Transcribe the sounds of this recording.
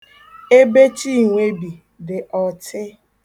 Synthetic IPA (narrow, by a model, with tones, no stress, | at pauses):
e˦be˦t͡ʃi˦˨ŋʷe˦bi˨ | dɪ˨ʔɔ˨tʰɪ˦